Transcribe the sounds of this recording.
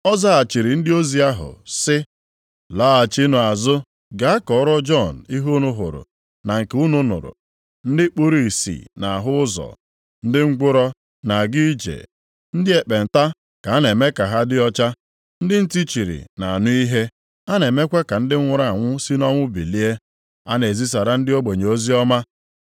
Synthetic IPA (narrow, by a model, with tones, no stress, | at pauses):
ɔ˦za˦a˨t͡ʃi˨ɾi˨n̩˦dɪ˦o˦zi˦a˦ɦʊ̰˨sɪ˦ | la˦a˨t͡ʃi˦nʊ˨a˨zʊ˦ | ɡa˨a˦kɔ˨ɔ˦ɾɔ˦d͡ʒɔ˦˨n̩˨i˦ɦo˦nʊ˦ɦʊ̰˨ɾʊ̰˨ | na˨ŋ̩˨ku˦nʊ˦nʊ̰˨ɾʊ̰˨ | n̩˦dɪ˦k͡po˦ɾi˦i˨sḭ˨na˨a˨ɦʊ˦ʊ˦zɔ̰˨ | n̩˦dɪ˦ŋŋ͡m̩˦ɡʷʊ˦ɾɔ˦ | na˨ɡi˦d͡ʒḛ˨ | n̩˦dɪ˦e˨k͡pe˨n̩˨ta˦ | ka˨a˦ne˨me˦ka˨ɦa˦dɪ˦ɔ˦t͡ʃa˦ | n̩˦dɪ˦n̩˦ti˦t͡ʃi˨ɾḭ˨na˨a˨nʊ˦i˦ɦe˦ | a˦ne˨me˦kʷe˦ka˨n̩˦dɪ˦ŋʷʊ˨ɾa˦˨a˨ŋʷʊ˦si˦nɔ˦ŋʷʊ˦bi˨li˦e˦ | a˦ne˨zi˦s̬a˨ɾa˦n̩˦dɪ˦o˦ɡ͡be˨ɲ˨o˦zi˦ɔ˦ma˦